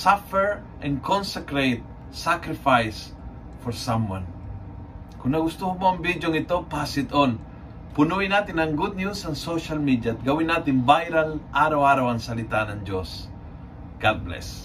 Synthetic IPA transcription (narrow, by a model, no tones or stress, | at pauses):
safɛɹ | ʔɛ̃nkʰɔnsɛkɾet̪̚ | sakɾɪfajs | fɔɹsamwã̰n | kʊŋnɐɡʊst̪uhʊmoɐŋbid̪joŋɪt̪opasɪt̪on | pʊnuɪnat̪ɪnɐŋɡud̪̚ɲjusɐŋsoʃalmid̪jat̪̚ɡɐwɪnːat̪ɪnbajɾalʔaːɾawaːɾawɐŋsɐlɪt̪anɐŋd͡ʒos | ɡ̥ad̪̚blɛ̰s